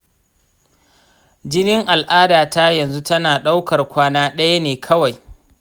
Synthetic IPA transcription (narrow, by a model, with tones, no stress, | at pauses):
d͡ʒɪ˦nɪ˦ŋʔa˨lʔaː˦daː˨taː˦jɐ˨nzu˦tɐ˦naː˨ɗa˦wkɐ˨rkʷaː˦naː˦ɗɐ˦ja˦neː˨kʰɐ˦wa˨j